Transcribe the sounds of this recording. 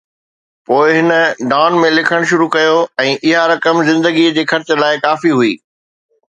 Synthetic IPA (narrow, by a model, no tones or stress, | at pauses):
poːɪɦɪnə̆ɖaːʊnmẽlɪkʰəɽ̃ʃʊɾukɐjoɛ̃ːʔɪɦaɾɐkəmzɪ̃nd̪əɡid͡ʑeːxɐɾt͡ɕə̆laːɪkaːfiɦuiː